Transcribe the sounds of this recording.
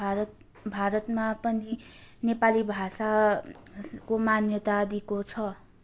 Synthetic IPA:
bʱaɾʌt̪mapʌninepalibʱasa | komanjʌt̪ad̪ikot͡sʰʌ

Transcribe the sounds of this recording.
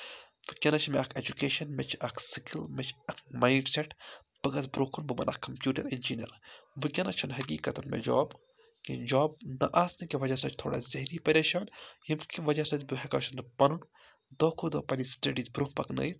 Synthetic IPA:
ʋɨkʲɐnɐt͡ʃʰmeɐkʰed͡ʒukeːʃɐnmet͡ʃʰɐkʰsikʰilmet͡ʃʰɐkmaːjɳɖseʈ | b̥ɨɡɐzbɾukʰunbɨmɐ̰nʔɐ̰kkːɐmpjuːʈɐɾind͡ʒinʲɐ̰ɾʋɨkʲɐnɐt͡ʃʰɐnɦɐɡiːkɐt̪ɐnmḛd͡ʒo̰ːb | kḭnd͡ʒaːb̚nɐ̰ʔaːsnikiʋɐd͡ʒasɐt͡ʃʰt̪ʰo̰ːɽa̰ːzɐɦɾipɐɾʲeːʃaːnhimkʰiʋɐd͡ʒasɐt̪ʲbɨɦeka̰ːʃɐnɨpɐnun | d̪oːkʰuɾd̪oːpɐlisʈɐɖiːzbɾukpɐknɐ̰jt̪

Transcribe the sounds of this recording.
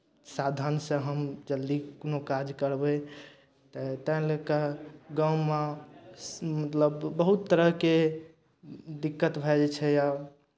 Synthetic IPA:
sad̪ʱənsə̃ɦəmd͡ʒəld̪ikonokad͡ʒkəɾbɛ | t̪ət̪ə̃lekəɡãwma | mət̪ləbːəɦut̪ːəɾəɦke | d̪ikːət̪bʱɛd͡ʒɛt͡ʃʰɛja

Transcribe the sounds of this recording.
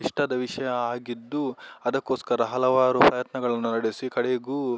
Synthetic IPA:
iʂʈɐd̪ɐʋiʂɐjɐaːɡid̪ːuɐd̪ɐkːoːskɐɾɐɦɐlɐʋaːɾupɾɐjɐt̪nɐɡɐɭɐnːunɐɽesikɐɽeɡuː

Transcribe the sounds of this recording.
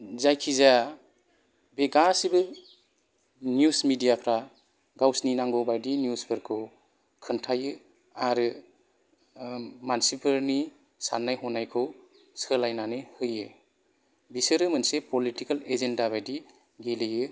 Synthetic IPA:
zajkʰiza | beɡasibɯ | njusmidijapʰɾa | ɡawsninaŋɡɔbajdinjusbʰɯɾkʰɯw | kʰɯntʰajɯ | aɾɯ | mansipʰɯɾni | sa̰nːajɦɔnajkʰɯw | sɯlajnanɯhɯjɯ | bisɯɾɯmɯnsepɔlitikalezendaβajdi | ɡelɯjɯ

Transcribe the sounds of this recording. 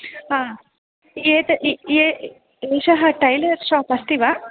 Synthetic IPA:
ɦaː | eːt̪ɐʔe | eːʃɐɦɐʈɐjlɐɾʃaːpɐst̪iʋa

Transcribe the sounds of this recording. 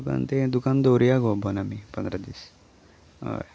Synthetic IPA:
uka̰nt̪ed̪ukand̪oɾijaɡobʱɔnamipənd̪ɾad̪is | ɦo̰j

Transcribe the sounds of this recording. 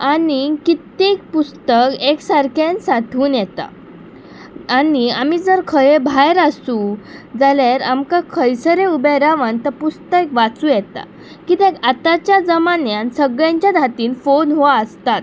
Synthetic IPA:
anikit̪ːek̚pust̪əkeksaɾkʰensat̪ʰuːnjɛt̪a̰ | aniamiːd͡zəɾkʰəjebʱajɾasũd͡zaleɾamkakʰəjsəɾeubeɾaʋənt̪əɾpust̪əekʋat͡sũːjɛt̪a̰ | kit̪ekat̪at͡ɕjad͡zəmanjansəɡɭjãɲt͡ɕjad̪ʱat̪iːnfonɦoaəst̪at̪

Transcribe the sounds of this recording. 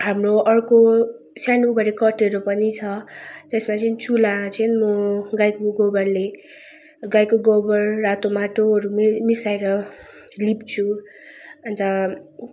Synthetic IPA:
ɦamroʌrko | sjanubʱʌɾekʌʈeɾopʌnit͡sʰʌt̪esmat͡sʌnt͡sulat͡sʰʌnmʌɡajkoɡobʌrle | ɡajkoɡobʌrːat̪omaʈoɦʌɾummisajɾʌ | lipt͡sʰu | ʌnt̪ʌ

